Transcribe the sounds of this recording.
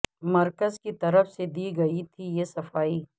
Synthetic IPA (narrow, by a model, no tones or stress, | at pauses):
mɐɾkəzkit̪ɐɾəfsed̪iːɡɐit̪ʰijesɐfaːiː